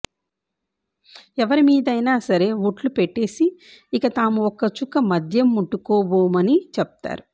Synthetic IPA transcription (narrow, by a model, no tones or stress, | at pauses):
ɛʋɐɾimiːd̪ɐjnaːsɐɾe̞ːʋuʈlupeʈːe̞ːsiːkɐt̪aːmuɔkːɐt͡ʃukːɐmɐd̪ʱjɐmːuʈːukɔːboːmɐnit͡ʃɛp̚t̪a̰ːɾu